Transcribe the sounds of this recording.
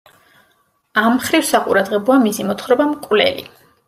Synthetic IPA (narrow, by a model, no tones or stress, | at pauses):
amːχɾifsaqʼṵɾad̪ʁɛbɔamisimɔt̪ʰχɾɔbamkʼvlɛ̰lḭ